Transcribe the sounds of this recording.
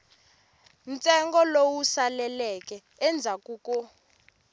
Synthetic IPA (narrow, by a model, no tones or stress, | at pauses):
nt͡sʼɛŋɡɔlowusalɛlɛk̬ʼɛːnd͡zʱakʼuːkʼɔ